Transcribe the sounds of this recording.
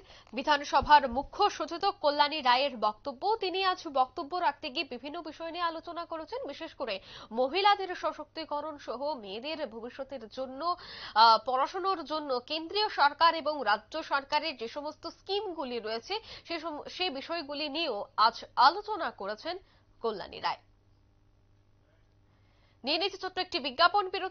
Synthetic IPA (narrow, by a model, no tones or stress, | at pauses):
bid̪ʱanʃɔbʱaɾmukʰːoʃod͡ʑot̪okolːaniɾaeeɾbɔk̚t̪obːot̪iniad͡ʑbɔkt̪obːoɾak̚ʰt̪eɡibibʱinːobiʃɔeniealot͡ɕonakoɾet͡ɕʰenbiʃeʃkoɾemoɦilad̪eɾʃɔʃok̚t̪ikɔɾonʃɔɦomed̪eɾbʱobiʃːot̪eɾd͡ʑonːo | pɔɾaʃonoɾd͡ʑonːokend̪ɾioʃɔɾkaɾeboŋɾaːʑoʃɔɾkaɾeɾd͡ʑeʃɔmost̪oskimɡuliɾojet͡ɕʰeʃeʃebiʃɔeɡulinieoad͡ʑalot͡ɕonakoɾet͡ɕʰen | kolːa̰nḭɾa̰e | nienit̪it͡ɕʰotːoek̚ʈibiɡːaponpiɾo